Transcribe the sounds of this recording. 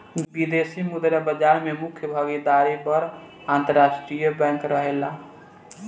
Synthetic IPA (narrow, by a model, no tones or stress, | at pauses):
bid̪esimud̪ɾəbəd͡ʒaɾmemʊkʰjəbʱəɡid̪aɾipəɾ | ant̪əɾasʈɾijəbɛ̃ŋkɾəɦela